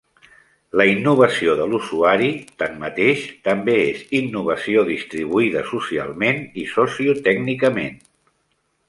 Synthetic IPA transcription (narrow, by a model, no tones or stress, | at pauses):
ləinːuβ̞əsioðəlusuaɾit̪anmət̪eʃt̪əmbeezinːuβ̞əsioðist̪ɾiβ̞uiðə̰susia̰lˠmenisɔsiut̪ɛɡnikəmḛn